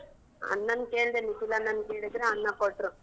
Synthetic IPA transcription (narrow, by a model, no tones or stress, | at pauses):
ɐ̰nːɐnkeːɭd̪enit̪ilːɐnːɐnkeːɽid̪ɾeɐnːɐkoʈɾu